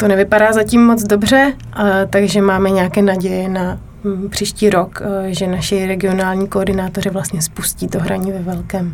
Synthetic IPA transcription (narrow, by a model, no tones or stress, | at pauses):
t̪o̞nɛvɪpadaːzacimːo̞d͡zdo̞br̝ɛ | t̪aɡʒɛmaːmɛɲɛakɛːnaɟɛjɛna | pr̝̥iːʃciːɾo̞kʒɛnaʃɪɾɛɡɪo̞naːlɲiːkoːɾdɪnaːt̪or̝ɪvlast̪ɲɛspusciːt̪oɦɾʔaɲiːvɛvɛlkɛːm